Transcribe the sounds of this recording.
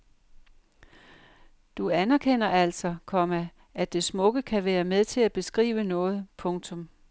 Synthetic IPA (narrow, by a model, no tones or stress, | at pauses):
d̥uænæɐkʰen̰ɐæl̰sɒ̽kʰɒ̽mæ | æd̥e̝smɔ̽ɡ̥əkʰæʋæːɐmeð̞ˠt͡sʰe̝læb̥e̝sɡ̥ʁḭːʊənɔ̽ːð̞̩ˠpʰɔ̽ŋt͡sʰɔ̽m